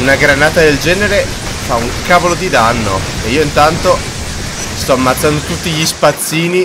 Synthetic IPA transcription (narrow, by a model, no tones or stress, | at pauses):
unaɡɾanaːt̪ad̪eld͡ʒɛːneɾe | fauŋkaːvolod̪id̪anːo̰ | eiːoint̪ant̪o | st̪ɔamːat̪sːand̪ot̪ut̪ːiʎispat̪sːiːni